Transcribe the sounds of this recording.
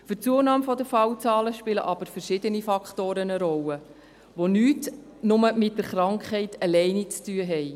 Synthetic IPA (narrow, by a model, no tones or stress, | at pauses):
fʏɾt͡suənɑːmfɔdəfɑwt͡sɑːləʃpɪlə̰ʔɑb̥əɾfəɾʃɪdənifɑkχtoːɾənəɾɔlə | ʋonyːtnʊməmɪt̚d̥əɾχɾɑŋkχhɛɪtʰəlɛɪnit͡styːəɦɛɪ